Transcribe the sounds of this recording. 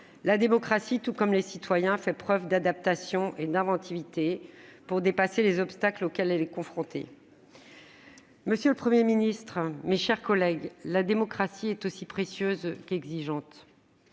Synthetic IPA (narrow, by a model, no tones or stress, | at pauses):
lad̪emɔkχasit̪ukɔmlesit̪wajɛ̃fɛpχœvd̪ad̪ap̚t̪asjɔ̃ʔed̪ɛ̃vɑ̃t̪ʰivit̪epuʁd̪epaselezɔpst̪aklokʲɛlɛlɛkɔ̃fχɔ̃t̪ʰḛ | məsjøləpχəmjeminist̪χmeʃɛʁkɔlɛɡlad̪emɔkχasiɛt̪osipχesjøzkɛɡziʒɑ̃t̪